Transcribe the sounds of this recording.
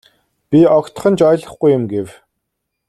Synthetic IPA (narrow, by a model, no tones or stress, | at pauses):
pʲiɔkt̪̆χə̆nt͡ɕɔjɮə̆χɡujʊmɡew